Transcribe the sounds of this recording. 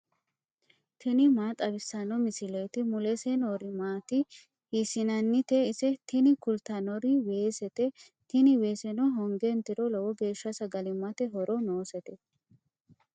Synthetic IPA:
t̪ʰɪnɪmaːt̪ʼɐbɪsːɐnɔmɪsɪlɔjt̪ɪmʊlɛsɛnɔɾɪmaːt̪ɪ | hisɪnɐnːɪt̪ɛɪsɛt̪ɪnɪkʊlt̪ɐnɔɾɪwe̞ːsɛt̪ɛ | t̪ɪnɪwe̞ːsɛnɔɦɔŋɡent̪ɪɾɔlɔwɔɡe̞ːʃːɐsɐɡɐlɪmːɐt̪ɛɦɔɾɔnoːsɛt̪ɛ

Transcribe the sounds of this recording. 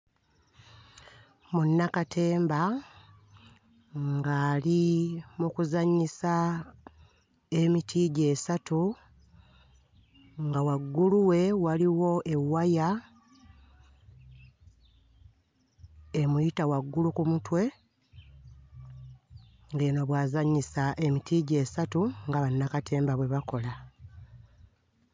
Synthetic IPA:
munːakatʰe̞ːmba | ŋɡaːlimukuzaɲːisa | emitʰiɟe̞ːsatu | ŋɡawaɡːuluwe̞waliwo̞ʔe̞wːaja | emujitawaɡːulukumutwe̞ | ŋɡenoβwaːzaɲːisaʔe̞mitʰiːɟe̞ːsatuŋɡaβanːakatʰe̞ːmbaβwe̞βako̞la

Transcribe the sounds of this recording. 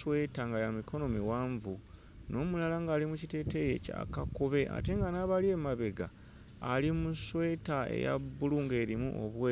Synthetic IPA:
we̞taŋɡajamiko̞no̞miwaːɱvu | no̞ːmulalaŋɡaːlimucite̞ːte̞ːje̞ca̰kakoβe̞ʔa̰te̞ŋɡanaːβalie̞maβe̞ɡa̰ː | limuswe̞ːtaḛja̰bːuluːŋɡe̞ːɾimṵʔo̰βweː

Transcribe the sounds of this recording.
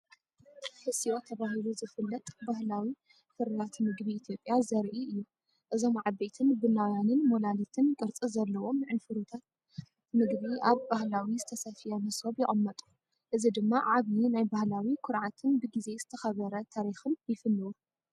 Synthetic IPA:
ħɨsio̞t̪ʰɐβahiluzɨfɨlːɐt̪ʼbahlawi | fɨɾːat̪mɨɡbiːt̪ʰijo̞pʼjazɐɾʔiɨjːu | ʔɨzo̞mʕabet̪ʰɨnbɨnawjanɨnmolalit̪ʰɨnkʼɨɾt͡sʼizɐlːɐwo̞mnʕɨnfɨɾut̪ʰat̪̚ | mɨɡβiʔaβbahlawizɨt̪ʰɐsɐfijɐnɐsoβjɪʔʼɐmːɐt̪ʼu̥ | ʔɨzid̪ɨmːaʕaβninajbahlawikʰʊɾʕat̪ʰɨnbɨɡize̞zɨt̪ʰɐxɐβɐɾɐt̪ʰaɾixɨnjɪfɨlːɨwu

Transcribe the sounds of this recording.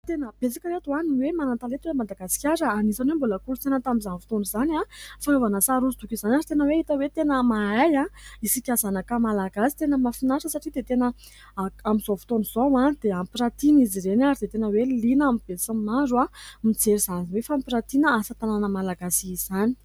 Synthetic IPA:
t̪enəb̥et͡sakəɾet̪uaniwemanat̪alet̪uwemad̪aɡasi̥kʲaɾəanisanomboləkulut̪enət̪amizanfu̥t̪onizanafanovanəsaɾuzit̪ukʲizanʲaɾit̪enəweit̪əwet̪enəmaajaisikʲazanakəmalaɡasi̥t̪enəmafinaʂəsaʈ͡ʂid̪et̪enə | aamiz̥ofu̥t̪onizowad̪̥eampiɾat̪inizirenaɾid̪et̪enəwelinamib̥esamaɾuamid͡zeɾiz̥aninwefampiɾat̪inəasət̪ananəmalaɡasiizani̥

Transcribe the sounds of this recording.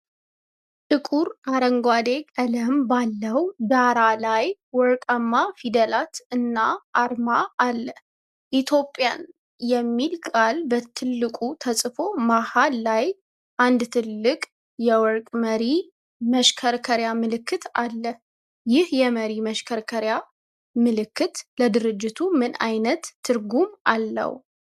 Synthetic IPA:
t̪ɨkʼuɾaɾəŋɡʷwad̪e̞kʼələmbalːəwd̪aɾalajwɔɾkʼəmːafid̪əlat̪ɨnːaʔːɾmaʔːlːə | ʔit̪ʰjo̞pʼːjan | jɛmːilkʼalbət̪ʰɨlːɨkʼut̪ʰəsʼfo̞mahalːaj | ʔand̪t̪ʰɨlːɨkʼ | jɛwɔɾkʼməɾi | məʃkʰəɾkʰəɾjamɨlɨkːɨt̪alːə | jɪhjɛməɾiməʃkʰəɾkʰəɾja | mɨlɨkːɨt̪ləd̪ɨɾɨd͡ʒːɪt̪ʰumɨnajnət̪ʰːɨɾɡumʔalːə̰w

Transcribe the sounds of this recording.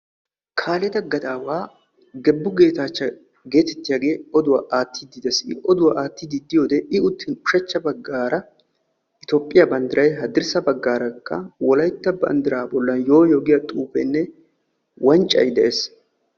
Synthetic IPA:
kʰaːlɛt̪ɐɡɐd̪aːwaː | ɡɛbːʊɡe̞ːt̪aːt͡ʃːɐ | ɡe̞ːt̪ɛ̥t̪ːɪjaːɡe̞ːɔd̪ʊwaʔaːt̪ʰːɪd̪ɪd̪ɐsɪʔɔd̪ʊwaʔaːt̪ːɪd̪ɪd̪ːɪjoːd̪ɛʔɪʊt̪ːɪnʊʃɐt͡ʃːɐbɐɡːaːɾɐ | ʔɪt̪opʼːɪjɐbɐnd̪ɪɾɐjɦɐd̪ɪɾsɐbɐɡːaːɾɐkːɐ̰wɔlɐjt̪ːɐbɐ̰nd̪ɪɾaːbɔlːɐnjo̞ːjoːɡɪjɐt̪ʼuːpɛ̰nːɛ | wɐnt͡ʃʼːɐ̰jd̪ɛʔeːs

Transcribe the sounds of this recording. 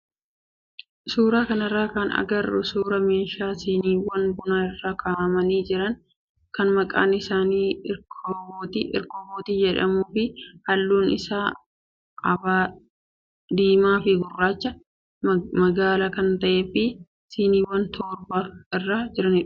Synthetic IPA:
suːɾaːkɐnɐrːaːkɐnɐ̰ɡɐrʊ̰suːɾɐmeːʃaːsiːniːwɐnbʊnaɪrːaːkʰaːʔmɐniːd͡ʒɪɾɐn | kɐnmɐkʼa̰ːnɪsaːniːɪkʰoboːt̪iʔɪ̰ɾkoːboːt̪iːd͡ʒɛᶑɐ̰muːfɪhɐlːuːnɪ̰saː | ɐbaː | d̪iːmaːfɪɡʊrːaːt͡ʃːɐ | mɐɡaːlakɐnt̪ɐʔeːfɪ | siːniːwɐnt̪ʰɔːɾbaːɪrːaːd͡ʒɪɾɐnɪᶑʊ̥

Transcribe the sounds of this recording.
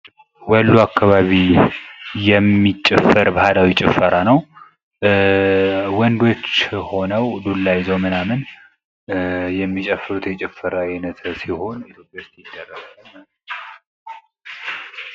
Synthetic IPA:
wɔlːuakʰːaβaβi | jɛmːit͡ʃʼːɛfːəɾbəhad̪awit͡ʃʼɪfːəɾanəw | wɔnd̪o̞t͡ʃːho̞nəwd̪ulːajɪzəwmɨnamɨn | jɛmːit͡ʃʼəfːɨɾut̪ʰjɛt͡ʃʼɪfːəɾaɪnət̪ʰsiho̞nit̪ʰjo̞pʼjaost̪jɪd̪ːərːəsənː

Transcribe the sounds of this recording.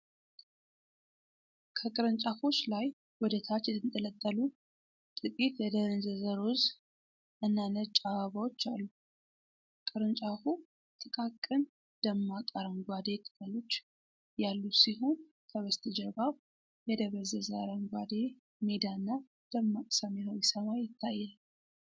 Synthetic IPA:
kʰəkʼɨɾɨnt͡ʃʼafo̞t͡ʃːlaj | wɔd̪ət̪ʰat͡ʃːɛɨnt̪ʼələt̪ʼːəlu | t̪ʼɨkʼit̪jɛd̪əzəzəɾoz | ʔɨnːanət͡ʃʼaaβawot͡ʃːalːu | kʼɨɾɨnt͡ʃʼafu | t̪ʰʼɨkʼakʼːɨn | d̪̥əmːakʼəɾəmɡʷad̪e̞t̪ʼɨ̥kʼəlo̞t͡ʃː | jalːusiɦun | kʰəβəst̪ʰɨd͡ʒəβaβ | jɛd̪əβəzəzaɾəŋɡʷad̪e̞ | med̪anːa | d̪̥əmːakʼsamjawisəmajɪt̪ʰːajːal

